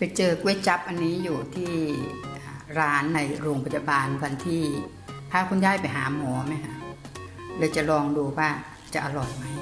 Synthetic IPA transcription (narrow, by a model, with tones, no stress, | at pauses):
pa˧jt͡ɕɤː˧kwe˦˥˩t͡ɕa˦˥p̚ʔa˧nːiː˦˥juː˨˩t̪ʰiː˥˩ʔaː˨˩ɾaː˦˥nːa˧jɾoː˧ŋpʰa˧t̪̚ja˧baː˧nwʰa˧nt̪ʰiː˥˩ | t̪ʰaː˥˩kʰu˧˥˨ndaː˥˩jpa˧jɦaː˩˦mɔː˩˦ma˦˥kʰa˦˥ʔ | lɤː˧jt͡ɕa˨˩lɔː˧ŋduː˧waː˥˩ | t͡ɕa˨ʔa˧lɔː˨˩jma˦˥j